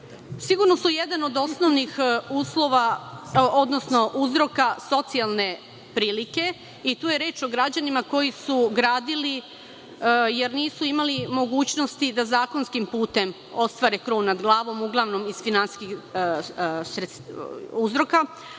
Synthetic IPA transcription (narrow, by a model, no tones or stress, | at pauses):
siɡuɾno̞suje̞d̪ano̞d̪o̞sno̞ʋnixuːslˠo̞ʋa | od̪nosno̞ʔuzɾo̞kaso̞t̪sialˠne̞ | pɾiːlike̞ | it̪uːjeɾe̞ːt͡ʃo̞ɡɾad͡ʑanimako̞jisuɡɾaːd̪ili | jeɾniːsuimalimo̞ɡuːt͡ɕno̞st̪id̪azaːko̞nskimpuːt̪e̞m | o̞st̪ʋaɾekɾoːʋnad̪ɡlˠaːʋo̞muɡlˠaʋno̞miz̥finansiski | sɾet̪suzɾo̞ka